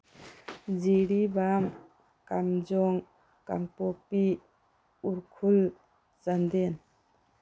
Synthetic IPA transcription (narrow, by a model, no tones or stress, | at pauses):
d͡ʒiɽibam | kamd͡ʒɔŋ | ka̰ŋpɔpi | uɾkʰul | t͡ʃand̪ɛn